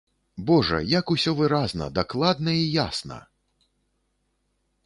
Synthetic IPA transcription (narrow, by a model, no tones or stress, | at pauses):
bɔʐɐ̰jakusʲɔvɨɾaznɐ̰d̪aklˠad̪nɐijasnɐ̰